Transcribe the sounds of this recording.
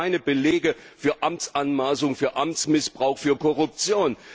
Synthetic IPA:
aɪnəbəleːɡə | fyːɐʔamt͡sʔanmaːsʊŋfyːɐʔamt͡smɪsb̥ʁaʊxfyːɐkɔʁʊp̚t͡sjoːn

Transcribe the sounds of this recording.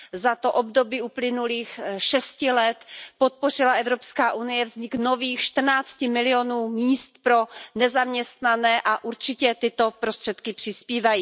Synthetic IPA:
zat̪o̞ʔobdo̞biːuplɪnuliːxʃɛscɪlɛt̪pot̪̚po̞r̝ɪlaɛvɾo̞pskaːʔunɪjɛvzɲɪkno̞viːxʃt̪r̩naːt͡scɪmɪlɪo̞nuːmiːst̪pɾo̞nɛzamɲɛst̪nanɛːʔaʔuɾt͡ʃɪcɛt̪ɪt̪o̞pɾo̞st̪r̥ɛt̪kɪpr̝̥ɪspiːvajiː

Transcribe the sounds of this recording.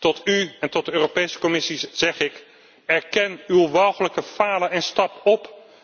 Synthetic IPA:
tɔtyɛntɔt̚dəøːropejsə̥kɔmɪsiz̥ɛχɪk | ɛɹkɛnywʋɔwχələkəfaːləɛnstɑpɔp

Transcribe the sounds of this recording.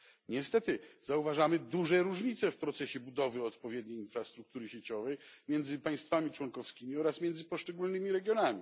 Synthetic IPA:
ɲɛst̪ɛt̪ɘzauvaʐamɘd̪uʐɛɾuʐɲit̪sɛfpɾɔt̪sɛɕɛbud̪ɔvɘɔt̪pɔvʲjɛd̪ɲejinfɾast̪ɾuk̚t̪uɾɘɕet͡ɕɔvɛjmʲjɛnd̪zɘpaj̃st̪famʲit͡ʂwɔŋkɔfskʲimʲiɔɾasmʲjɛnzɘpɔʂt͡ʂɛɡulnɘmʲiɾɛɡʲjɔnamʲi

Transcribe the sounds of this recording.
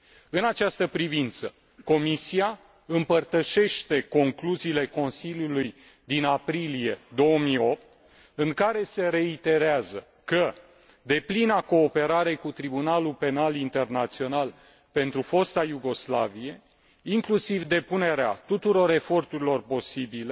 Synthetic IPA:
ɨnat͡ʃast̪əpɾivint̪sə | ko̞misia | ɨmpərt̪əʃe̞ʃt̪e̞ko̞ŋkluziːle̞ko̞nsilʲjuluj | d̪inapɾilije̞d̪o̞omijo̞p̚t̪ | ɨŋkaɾe̞se̞ɾe̞it̪e̞ɾeazə | kə | d̪e̞plinako̞ːpe̞ɾaɾe̞kut̪ɾibunalupe̞nalint̪e̞rnat̪sio̞nal | pe̞nt̪ɾufo̞st̪ajuɡo̞slavie̞ | iŋklusivd̪e̞pune̞ɾea̰t̪ut̪uɾo̞ɾe̞fo̞rt̪uɾilo̞rpo̞sibile

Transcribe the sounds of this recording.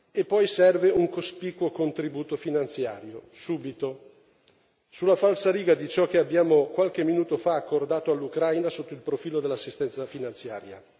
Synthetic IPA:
epːɔjsɛrveuŋkospikwokont̪ɾibuːt̪ofinant̪sja̰ːɾjosuːbit̪o | sulːafalsaɾiːɡad̪it͡ʃɔk̟ːeabːjaːmokwalk̟emːinuːt̪ofaːkːord̪aːt̪oalːukɾajnasot̪ːoilpɾofiːlod̪elːasːist̪ɛnt̪safinant̪sja̰ːɾja

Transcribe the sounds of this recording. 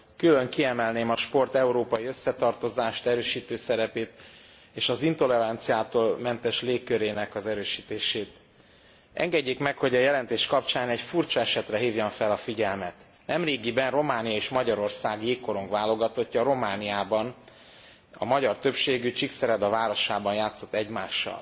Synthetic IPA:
kyløŋkiɛmɛlneːmɒʃpo̞rt̪ɛuɾoːpɒjiø̞sːɛt̪ɒrt̪o̞zaːʃt̪ɛɾøːʃiːt̪øːsɛɾɛpeːt̪ | eːʃɒzint̪o̞lɛɾant̪sijaːt̪oːlmɛnt̪ɛʃleːkːøɾeːnɛkɒzɛɾøːʃiːt̪eːʃeːt̪ | ʔɛ̰ŋɡɛɟːeːkmɛkho̞ɟɒjɛlɛnt̪eːʃkɒpt͡ʃaːnɛcfurt͡ʃɒɛʃɛt̪rɛɦiːvjoɱfɛlɒfiɟɛlmɛt̪ | nɛmreːɡibɛnro̞maːnijɒeːʃmɒɟɒɾo̞rsaːɡjeːkːo̞ɾoŋkvaːlo̞ɡɒt̪o̞cːɒɾo̞maːnijaːbɒn | ɒ̰mɒɟɒrt̪ø̞pʃeːɡyt͡ʃiksɛɾɛd̪ɒvaːɾo̞ʃaːbɒnjaːt̪so̞t̪ːɛɟmaːʃːɒ̰l

